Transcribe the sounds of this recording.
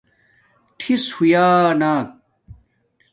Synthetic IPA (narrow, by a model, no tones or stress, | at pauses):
ʈʰishujaːnaːk̚